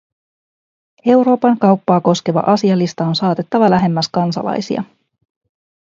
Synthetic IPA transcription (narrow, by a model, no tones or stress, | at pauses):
e̞wɾo̞ːpɑŋkɑwpːɑːko̞ske̞ʋɑ̰ʔɑsiɑlist̪ɑo̞nsɑːt̪e̞t̪ːɑʋɑlæɦe̞mːæskɑnsɑ̰lɑ̰jsḭɑ̰